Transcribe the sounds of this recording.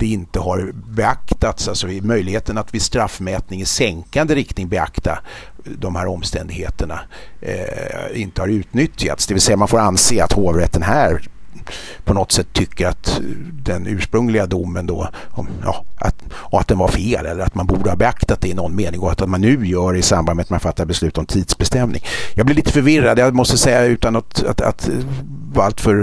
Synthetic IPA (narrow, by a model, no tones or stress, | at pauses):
d̪̥ɛɪnt̪əɦaɾbɛakt̪at̪salsɔɪmœjlɪɡheːt̪ənat̪vɪst̪ɾafːmɛːt̪nɪŋɪsɛŋkand̪əɾɪkt̪nɪŋbɛa̰kt̪a | d̪ɔmhæːɾɔmːst̪ɛnd̪ɪɡhḛːt̪əɳa̰ | ɪnt̪əhɑɾʉ̟ːt̪nʏt̪ja̰t̪sd̪ɛvɪlsɛjːamanfoːɾanseːa̰t̪hoːvɾɛt̪ːənɦæːɾ | pʰɔnɔt̪sɛt̪ʰːʏkːəɾat̪d̪ɛnʉ̟ːʂpɾɵŋlɪɡad̪ʊmːənd̪ɔɔmjɑ̰ːʔa̰t̪ | ɔmat̪̚d̪ɛnvaɾfeːlɛlːəɾat̪manbuːɖəhɑːbɛakt̪at̪̚d̪ɛːnɔnːmeːnɪŋɡɔt̪at̪manːʉ̟ːjœːɖɛɪsambanmɛat̪manfat̪ːabɛslʉ̟ːt̪ɔmt̪ʰiːd̪̥sbɛst̪ɛmnɪ̰ŋjɑːɡblɪɾɭiːt̪əfœɾvɪrad̪jamɔst̪əsɛjːaʉ̟ːt̪anat̪a̰a̰t̪ | a̰lt̪fœɾ